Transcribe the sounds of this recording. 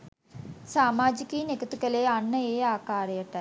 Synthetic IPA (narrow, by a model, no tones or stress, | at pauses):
saːmaːd͡ʒikiːnekət̪ukəleːanːəeːaːkaːɾəjəʈɐ